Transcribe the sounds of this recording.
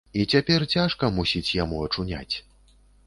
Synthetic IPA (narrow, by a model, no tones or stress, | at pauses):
it͡sʲapʲɛrt͡sʲaʂkɐmusʲit͡sʲjamuɐt͡ʂunʲa̰t͡sʲ